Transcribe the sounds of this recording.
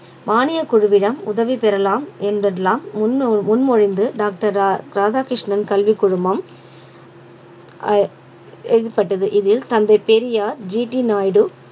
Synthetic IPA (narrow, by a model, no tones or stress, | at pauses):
maːnɪjɐkʊɻɯʋɪɽɐmʊðɐʋipɛɾɐlaːmɛnɐlaːmmʊnmɔɻɪnd̪ɯɖaːk̚ʈɐɾɾaːðaːkɾɪʂɳɐnkɐlʋikːʊɻʊmbɐm | ɛðɯpːɐʈːɐðɯʔɪðɪlt̪ɐnd̪ɐɪpeɾɪjaːɾd͡ʒiːʈinaːjɽɯ